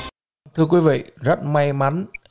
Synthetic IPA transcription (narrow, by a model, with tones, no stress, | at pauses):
t̪ʰɨ˧ək̬wi˨˦vḭ˧˨zə˦˥t̚ma˧jma˨˦n